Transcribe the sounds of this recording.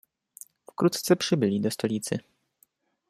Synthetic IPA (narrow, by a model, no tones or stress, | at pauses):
fkɾut̪t̪sɛpʂɘbɘlʲid̪ɔst̪ɔlʲit̪sɘ̰